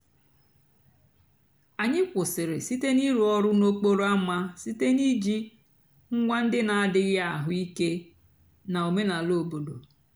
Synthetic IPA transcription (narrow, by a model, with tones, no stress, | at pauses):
a˨ɲɪ˦kʷʊ˨sɪ˨ɾɪ̰˨si˦te˦ni˦ɾu˨ɔ˦ɾʊ˦no˦k͡po˦ɾo˦a˦ma˦si˦te˦ni˦d͡ʒi˦ | ŋ̩˦ŋʷa˦n̩˦dɪ˦na˨a˦˨dɪ˦ɣɪ˦a˨ɦʊ˦i˦ke˦ | na˨o˨me˦na˨lo˨bo˨do̰˨